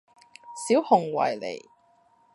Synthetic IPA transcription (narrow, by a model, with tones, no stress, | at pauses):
siː˨˥whʊ˨˩ŋwɐ̰˨˩jlḛ˨˩j